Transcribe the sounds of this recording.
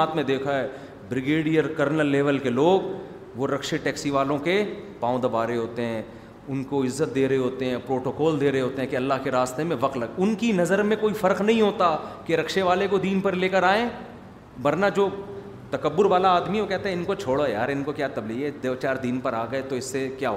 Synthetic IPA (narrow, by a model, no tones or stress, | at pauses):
aːt̪mẽd̪eːkʰaɦɛː | bɾɪɡeːɖijəɾkɐɾnəlːeːʋəlkeloːɡ | ʋoɾɐkʃeʈɛːksiʋaːlõkepaːõd̪ɐbaːɾeɦoːt̪eɦɛ̃ː | ʊnkoɪzːət̪̚d̪eːɾɐɦeɦoːt̪eɦɛ̃pɾoːʈoːkɔːld̪eːɾɐɦeɦoːt̪eɦɛ̃keɐlːaɦkeɾaːst̪emẽʋɐqt̪lɐɡʊnkinɐzəɾmẽkoːifɐɾqnɐɦĩɦoːt̪akeɾɐkʃeʋaːlekod̪iːnpɐɾleːkəɾaːẽː | ʋɐɾnad͡ʒoː | t̪ɐkəbːʊɾʋaːlaaːd̪miʋokɛɦt̪eɦɛ̃ɪnkot͡ʃʰoːɽaja̰ːɾɪnkokjaːt̪ɐbliɛd̪ɐʋt͡ʃaːɾd̪iːnpɐɾaːɡɐet̪oɪsːekjaːɦoː